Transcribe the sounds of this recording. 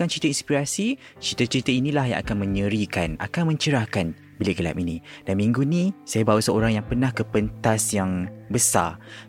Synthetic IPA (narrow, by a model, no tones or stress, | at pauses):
kant͡ʃəɾit̪əinspiɾasi | t͡ʃəɾit̪ət͡ʃəɾit̪əinĩlaɦjã̰ŋʔa̰kanmə̃ɲəɾikana̰kanmə̃ɲt͡ʃəɾahkan | bileɡəla̰minĩdanmĩŋɡunĩsajabausəoɾaŋjaŋpənãhkəpənt̪asjaŋbəsa̰